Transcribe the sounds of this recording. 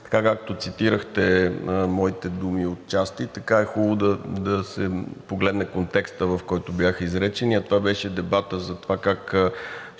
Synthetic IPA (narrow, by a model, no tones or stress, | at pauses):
t̪ɐ̥kakakt̪ot̪sit̪iɾəxt̪ɛmɔit̪ɛd̪umiot̪̚t͡ʃast̪it̪ɐkaɛxubˠod̪ɐd̪ɐsɛpoɡlɛd̪nɛkont̪ɛkst̪əvɐfkɔjt̪objaxizɾɛt͡ʃɛniɐt̪ovabɛʃɛd̪ɛbat̪əzɐt̪ovakak